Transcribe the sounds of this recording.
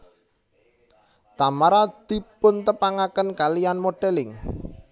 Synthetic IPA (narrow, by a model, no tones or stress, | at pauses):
t̪amaɾad̪̥i̤pʊnt̪əpaŋakənkalijanmoɖ̥ɛlɪŋ